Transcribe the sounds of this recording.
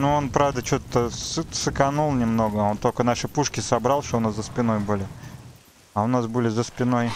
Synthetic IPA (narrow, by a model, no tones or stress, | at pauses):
nuo̞npɾavd̪ət͡ɕo̞t̪ːəsɨsɨkɐnulˠnʲɪmno̞ɡəo̞nt̪olʲkənaʂɨpuʂkʲɪsɐbɾalˠʂt̪oʊnaszəspʲɪno̞jbɨlʲɪ | ɐʊnasbɨlʲɪzəspʲɪno̞j